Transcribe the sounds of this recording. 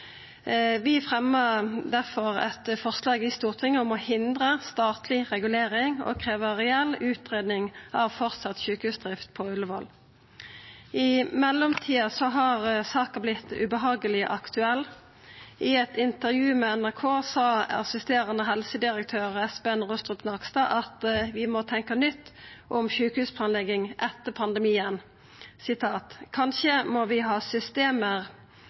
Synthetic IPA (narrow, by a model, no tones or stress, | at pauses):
ʋɪfʁɛməd̪æʁfɔʁɛ̰t̪fɔʁslɑːɡɪst̪uːʁt̪ʰɪŋəɔmɔhɪnd̪ʁəst̪ɑːt̪ʰlɪʁɛɡʉleːʁɪŋɔ̰kʰʁeːʋəʁɛɛlʉːt̪ʁeːd̪nɪŋɑʋfɔʁt̪sɑt̪çʉːkəʉsd̪ʁɪft̪̚pʰɔʉləʋɔl | ɪmɛlːɔmt̪ʰiːɑsɔɦɑʁsɑːkɑblɪt̪ːʉ̰bəɦɑːɡəlɪʔɑkt̪ʉɛlː | ʔɪɛt̪ɪnt̪əʁjʉːmɛɛnæʁkʰoːsɑːɑ̰sɪst̪eːʁɑnəɦɛlsəd̪ɪɾək̚t̪ʰøːʁɛsbeɛnʁʊst̪ʁʉt̪nɑʁkst̪ɑːʔɑt̪ʋɪmɔt̪ʰɛŋkɑnʏt̪ːʔɔmʃʉːkəhʉːspʰlɑːnlɛɡːɪŋʔɛt̪ːəpʰɑnd̪əmiːən | sɪt̪ʰɑːt̪kʰɑnʃəmɔʋɪɦɑːsʏst̪eːməʁ